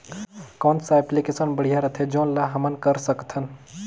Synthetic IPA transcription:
kɔ̃ːnsaɛplikesənbəɽ̤ijaɾət̪ʰed͡ʒõːnlaɦɐmənkəɾsəkt̪ʰən

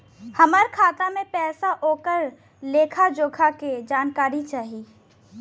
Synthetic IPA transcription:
hɐməɾkʰaːt̪amẽpɛːsaɦoːkəɾ | leːkʰad͡ʒoːɡʰʱaked͡ʒaːnkaːɾit͡ʃaːɦiː

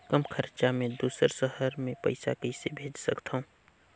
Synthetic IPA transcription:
kəmkʰəɾt͡ʃamẽd̪uːsəɾʃəhəɾmẽpɐ̰ɪsa̰kəɪsebʱeːd͡ʒsəkt̪ʰaũː

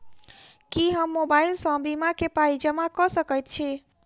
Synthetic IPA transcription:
kiɦəmːobailsɔ̃bimakepaid͡ʒəmakɔsəkəjt̪̚t͡ʃʰi

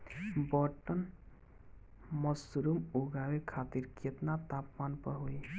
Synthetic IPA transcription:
bɔʈən | məsɾumoɡawekʰat̪iɾkʰet̪nat̪apmanpəɾɦoi

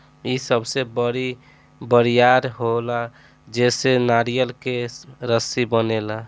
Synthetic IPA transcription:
isəbsebəɾi | bəɾijaɾɦola | d͡ʒesenaɾijəlkeɾəsibənela

